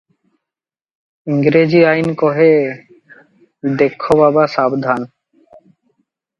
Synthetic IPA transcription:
iŋɡɾed͡ʑiajnkɔɦe | d̪ekʰːobabaʃabd̪ʱan

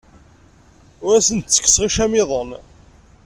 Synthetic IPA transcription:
ʊɾæsənt̪t͡sːə̥kːə̥sʁiʃæmɪðˤən

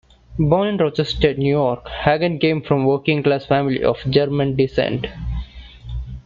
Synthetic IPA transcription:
bɔ̃ːnə̃nɖɾɔd͡ʒəsʈeʈnjuːjɔːɾkhæɡə̃nkẽːmfɾɔ̃mʋəɾkɪ̃ŋɡklaːsfæ̃mɪlḭʔɔ̰ːfd͡ʒəɾmə̃nɖɪsḛ̃ɳʈ

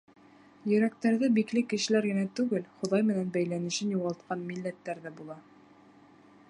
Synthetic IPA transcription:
jɵ̆ɾæk̚t̪æɾðɘbiklɘkɘ̆ʃɘ̆læɾɡɘ̆næt̪ʉɡɘlχŏðɑjmɘ̆nænbæjlænɘ̆ɕʃɘnjuʁɑlˠt̪qɑnmilːæt̪ːæɾðɘbulˠɑ

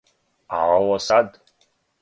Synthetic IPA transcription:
aʕawasadʼ

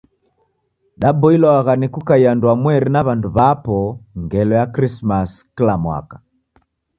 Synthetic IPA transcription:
ɗabɔilɔaɣanikukaianduamwɛɾinaβanduβapɔŋɡɛlɔjakɾismasklamwa̰kḁ

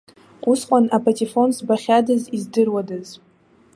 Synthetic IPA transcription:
usqʷʼanapʰʼatʼifo̞nsbaχʲadazizdɨrwadaz

